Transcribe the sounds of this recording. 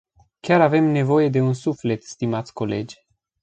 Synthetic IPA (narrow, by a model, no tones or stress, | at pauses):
kʲaɾave̞mne̞vo̞je̞d̪e̞unsufle̞t̪st̪imat̪sʲko̞le̞d͡ʒʲ